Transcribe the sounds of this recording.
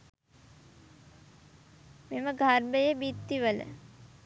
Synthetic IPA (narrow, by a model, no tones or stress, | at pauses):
meməɡʱarməjəbit̪ːiʋələ̰